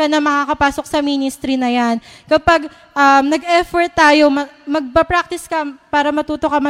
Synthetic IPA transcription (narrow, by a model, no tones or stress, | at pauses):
ɐnɐŋmɐŋakɐpaːso̞k̚sɐmiːnɪst̪ɾinɐjankɐpɐɡ̚ | ʔɐmnɐɡʔɛfoɹt̪ːaːjo̞mɐmɐɡ̚pɐpɾak̚t̪ɪskɐpaːɾɐmɐt̪uːt̪okɐmɐ